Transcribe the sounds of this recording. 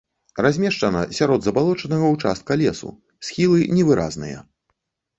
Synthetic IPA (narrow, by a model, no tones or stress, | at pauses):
razʲmʲɛʂt͡ʂɐnɐsʲaɾɔd̪zɐbalˠɔt͡ʂɐnɐɣɐwt͡ʂa̰st̪̚kɐlʲɛsṵ | sʲxʲilˠɨnʲɛvɨɾʔa̰znɨ̰jɐ̰